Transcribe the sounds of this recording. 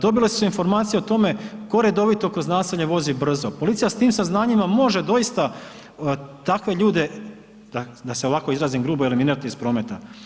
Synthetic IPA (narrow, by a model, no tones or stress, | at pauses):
d̪o̞bilesu̥suinfo̞ɾmaːt̪sijeot̪o̞me̞ko̞ɾe̞d̪o̞ʋit̪o̞kɾo̞znaːsiʎɲe̞ʋo̞zibr̩zopo̞lit̪sijast̪iːmsaznaːɲimamo̞ʒe̞d̪o̞jist̪a | t̪akʋe̞ʎuːd̪e̞ | d̪ad̪aseo̞ʋako̞izɾaːzimɡɾuːboeliminiɾat̪iispɾo̞ːme̞t̪a